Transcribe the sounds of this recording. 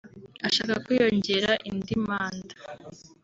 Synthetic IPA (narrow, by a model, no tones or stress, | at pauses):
aʃaːkakijo̞ɲɟe̞ɾaʔindimaːnda